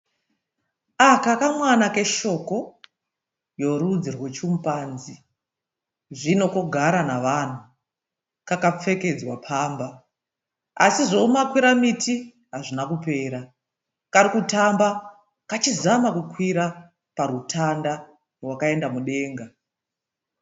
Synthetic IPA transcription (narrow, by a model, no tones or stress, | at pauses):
akakamwanake̞ʃo̞ko̞ | jo̞ɾud͡zirwet͡ʃumpaːnzi | ʐino̞koɡʱaɾanaʋan̤u | kakap͡fe̞ke̞d͡zwapʰaːmba | asiʐo̞umakwiɾamitʰi | ɦaʐinakupe̞ːɾa | kaɾikutamba | kat͡ʃizamakukwiɾa | paɾutʰanda | rwakae̞ndamuɗe̞ːŋɡa